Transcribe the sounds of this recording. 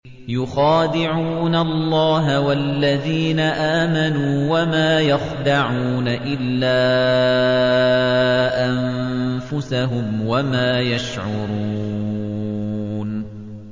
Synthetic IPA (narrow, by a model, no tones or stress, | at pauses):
jʊxɑːd̪ɪʕuːnallːɑːɦawalːaðiːnaʔaːmanuːwamaːjaxd̪aʕuːnaʔɪlːaː | ʔamfʊsaɦʊmwamaːjaʃʕʊɾ | n